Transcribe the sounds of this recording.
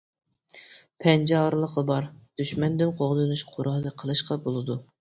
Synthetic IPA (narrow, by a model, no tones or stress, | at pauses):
pʰɛnd͡ʒɑɾlˠəqəbɑɾd̪̥yʃmɛnd̪ɪnqʰoʁd̪ɨnuʃqʰʊɾɑd̪ɨqʰəlˠɨʃqɑbolˠɨd̪u